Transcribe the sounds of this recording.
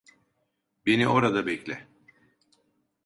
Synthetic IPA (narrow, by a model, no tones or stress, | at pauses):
be̞niʔo̞ɾad̪abɛclʲɛ